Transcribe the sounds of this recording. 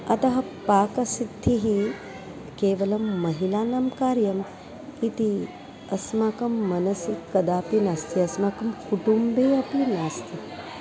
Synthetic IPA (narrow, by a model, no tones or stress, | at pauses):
ɐt̪ɐɦɐpaːkɐsid̪ʰʱːiɦi | keːʋɐlɐmːɐɦilaːnaːmkaːɾjɐm | it̪i | ɐsmaːkɐmːɐnɐsikːɐd̪aːpinaːst̪ʰiɐsmaːkɐmkuʈumbeːɐplinaːst̪ʰi